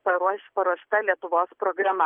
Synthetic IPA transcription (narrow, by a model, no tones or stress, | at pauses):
pɐɾuɔʃʲpɐɾuɔʃt̪ɐlʲiɛt̪ʊʋoːspɾoːɡɾɐmɐ